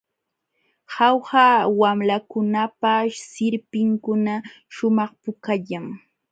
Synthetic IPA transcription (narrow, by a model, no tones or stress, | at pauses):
hɑwhaːwamlakʊnapasɪɾpɪŋkʊna | ʃʊmɑχpʊkaʎaŋ